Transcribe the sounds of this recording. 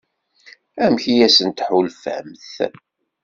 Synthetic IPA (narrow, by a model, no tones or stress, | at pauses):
æmçijæsənt̪ħulfæ̰mθ